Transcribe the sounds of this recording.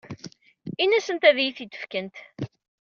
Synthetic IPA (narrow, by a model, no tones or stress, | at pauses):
inæsənt̪æðjiθit̪ːə̥fkənt̪